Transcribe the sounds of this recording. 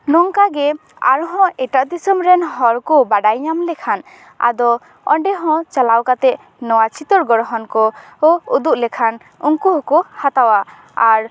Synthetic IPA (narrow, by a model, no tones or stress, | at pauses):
nɔŋkaɡɛ | a̰ɾɦɔ̃ʔɛʈaʔd̪isɔmɾɛnɦɔɾkɔbaɖajɲamlɛkʰan | a̰d̪ɔ | ɔ̰ɳɖɛɦɔ̃t͡ʃalawkat̪ɛʔ | nɔwat͡ʃʰit̪ɔɾɡɔɽɦɔnkɔ | ɔud̪uʔlɛkʰan | uŋkuɦɔ̃kɔhat̪awa | aɾ